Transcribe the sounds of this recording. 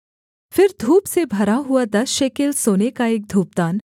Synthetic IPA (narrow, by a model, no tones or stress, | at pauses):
fɪɾd̪ʱuːpsebʱɐɾaɦuad̪ɐsʃekelsoːnekaeːk̚d̪ʱuːp̚d̪aːn